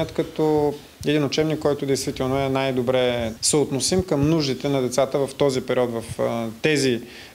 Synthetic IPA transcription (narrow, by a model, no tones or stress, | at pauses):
ət̪kɐt̪ɔ | ɛd̪inot͡ʃɛbnikːɔjt̪ʊd̪ɛjst̪vit̪ɛlˠnoɛnajd̪obɾɛsɛot̪nosimkəmnuʒd̪it̪ɛnɐd̪ɛt̪sat̪əvɐft̪ɔzipɛɾiɔt̪vɐft̪ɛzi